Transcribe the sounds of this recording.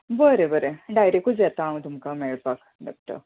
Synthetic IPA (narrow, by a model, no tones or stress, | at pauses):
bəɾebəɾeɖajɾekud͡zet̪aːmt̪umkameɭpak | ɖɔk̚ʈə̰ɾ